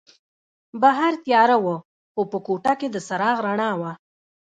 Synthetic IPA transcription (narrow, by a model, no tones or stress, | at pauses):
baɦaɾt̪jɑɾawə | xopəkoʈaked̪əsaɾɑɣɾaɳɑwa